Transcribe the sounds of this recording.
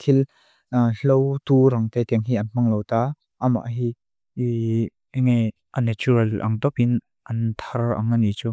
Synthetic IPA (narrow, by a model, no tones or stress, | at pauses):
t̪ʰil | ɬowt̪uɾɐŋt̪et̪ɛəŋɦiɐnm̥aŋlowt̪aː | ʔəma̰ʔɦi | i | ŋe | ʔanɛt͡ʃuɾɐlʔɐ̰ŋt̪ɔpin | ʔɐnt̪ʰara̰ŋanit͡su